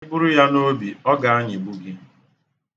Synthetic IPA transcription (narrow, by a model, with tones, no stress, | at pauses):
ɪ˦bʊ˦ɾʊ˦ja˦no˦bi˨ɔ˦ɡa˨a˦ɲɪ˨ɡ͡bu˦ɡi˦